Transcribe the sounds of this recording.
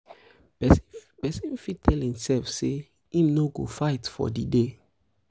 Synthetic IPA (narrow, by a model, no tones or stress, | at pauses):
ɛspɛsĩnfitʰɛlhĩmsɛlfse | ĩmnoɡo̰faɪtfɔ̰dide